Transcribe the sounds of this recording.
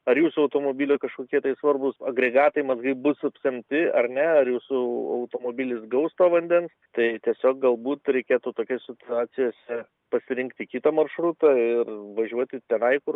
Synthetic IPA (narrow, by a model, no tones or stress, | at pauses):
ɐɾjuːsʊɐʊt̪oːmoːbʲiːlʲokɐʃkoːkʲiɛt̪ɐɪsʋɐrbʊsɐɡɾʲɛɡɑːt̪ɐɪmɐzɡɐɪbʊsɐpʲsʲɛmʲt̪ʲɪɐrnʲɛɐɾjuːsʊɐ̰ʊt̪oːmoːbʲilʲɪsɡɐʊst̪oːʋɐnʲd̪ʲɛnst̪ɐɪt̪ʲiɛsʲoːk̚ɡɐlˠbuːt̪ɾʲɛɪkʲeːt̪uːt̪oːkʲɛsʲɪt̪ʊɑːt͡ssʲɪjoːsʲɛ | pɐsʲɪɾʲɪŋkt̪ʲɪikʲit̪ɐmɐrʃɾut̪ɐːɪrʋɐʒʲuɔt̪ʲɪt̪ʲɛnɐɪkʊr